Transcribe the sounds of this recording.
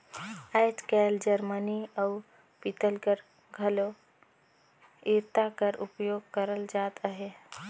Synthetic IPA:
ajtkald͡ʒəɾməniau | pit̪əlkəɾ | ɡʱəlo | iɾt̪akəɾupjoɡ̚kəɾəld͡ʒat̪əɦe

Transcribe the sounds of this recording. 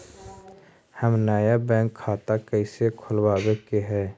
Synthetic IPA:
həmnaːjabɛ̃ːŋkʰːaːt̪akəɪsekʰʊlwaːwekeɦɛː

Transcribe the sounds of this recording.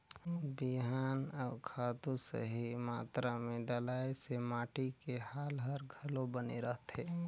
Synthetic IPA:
biɦaːnɔːkʰaːt̪usə̰ɦimaːt̪ɾamẽɖəlaːesemaːʈikehaːlɦəɾɡʱəlõbəneɾəɦt̪eː

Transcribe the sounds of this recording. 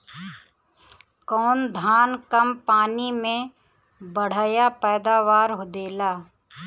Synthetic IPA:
kɔːnd̪ʱaːnkəmpaːnimẽ | bəɽ̤aːjapɛːd̪aːʋaːɾɦod̪eːlaː

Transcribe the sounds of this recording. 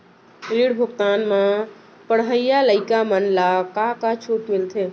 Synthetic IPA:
liɽbʱʊkt̪aːnmã | pəɽɦəjjaləɪkamənlakakat͡ʃʰuːʈmɪlt̪ʰe

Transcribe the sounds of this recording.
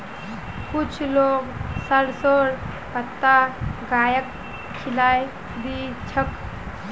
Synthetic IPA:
kut͡ʃʰloɡsəɾsoɾ | pət̪ːaɡajək | kʰːilaj | b̪it͡ʃʰək

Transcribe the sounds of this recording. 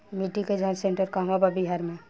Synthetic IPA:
miʈiked͡ʒãsẽɳʈəɾkamababiɦaɾmẽ

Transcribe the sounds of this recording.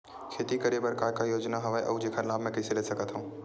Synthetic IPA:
kʰeːt̪ikɐɾebəɾkaːkajoːd͡ʒnaɦɐʋaeʔɐ̰ud͡ʒeːkʰəɾlaːbmɛ̃kɛseleːsɐkət̪ɦũː

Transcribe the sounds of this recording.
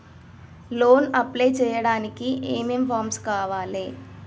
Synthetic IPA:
loːnɐplejt͡ʃɛːjɐɽaːnikieːmempʰaːɾmskaːʋaːleː

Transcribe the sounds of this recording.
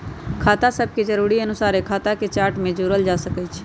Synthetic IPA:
kʰaːt̪asəb̚ʱked͡ʒəɾuːɾiənʊsaːɾekʰaːt̪aket͡ʃaːʈmẽd͡ʒoːɾəld͡ʒasəkət͡ʃʰ

